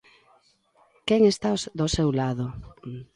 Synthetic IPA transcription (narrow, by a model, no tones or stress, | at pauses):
kɛŋest̪asd̪osewlaðo